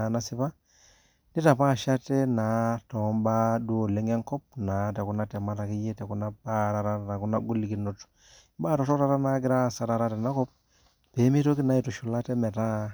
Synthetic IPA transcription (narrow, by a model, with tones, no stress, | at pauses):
a˨na˦sɪ˦pa˦ | ni˦ta˨pa˦˨ʃa˦tɛ˦na˨˦to˨˦mba˦du˦o˨le˦ŋe˦ŋkɔ˦p̚na˨te˨ku˨na˦tɛ˨ma˦ta˨ki˦je˦te˨ku˨˦na˦ba˦ɾa˨ɾa˦˨ta˨ku˦na˦ɡu˦li˨ki˨no˨t | baː˦˨tɔ˨to˦ta˦ɾa˦na˦ɡɪ˦ɾa˦˨sa˦ɾa˦ɾa˦tɛ˨na˦kɔ˦p̚ | pe˨˦mi˦to˦ki˦na˦i˨to˨ʃu˨la˦te˦mɛ˨ta˦